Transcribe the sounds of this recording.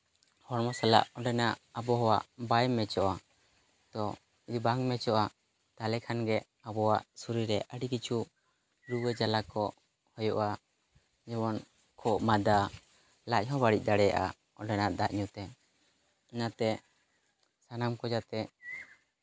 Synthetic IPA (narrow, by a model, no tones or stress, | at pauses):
hɔɾmɔsala̰ʔɔɖɛnaʔabɔɦɔwaʔbajɛmːɛt͡ʃɔʔa | d̪̥ɔ | id̪ubaŋmɛt͡ʃɔʔa | t̪alɛkʰanɡɛʔ | abɔwaʔsuɾiɾɛʔəɖikit͡ʃʰu | ɾuwɛd͡ʒalakɔ | hɔjɔʔa | d͡ʒɛbɔn | kʰɔʔmad̪a | laʔ̚ˀɦɔ̃baɽic̚ˀd̪aɽɛja̰ʔa̰ | ɔ̃ɖɛnaʔd̪aʔɲut̪ɛ | inat̪ɛ | sanamkɔd͡ʒat̪ɛ